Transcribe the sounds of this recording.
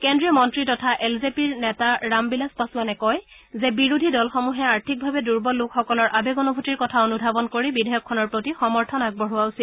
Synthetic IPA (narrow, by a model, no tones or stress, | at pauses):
kendɹijɔmɔntɹitɔtʰaʔelzepiɹnɛtaɹambilaspasʊanɛkɔj | zɛbiɹudʱidɔlxɔmuɦɛaɹtʰik̚bʱabɛduɹbɔlʊkxɔkɔlɔɹʔabeɡɔnɔbʱotiɹkɔtʰaonudʱabɔnkoɹibidʱɛjɔkʰːɔnɔɹpɹotixɔmɔɹtʰɔnak̚bɔɹuwausil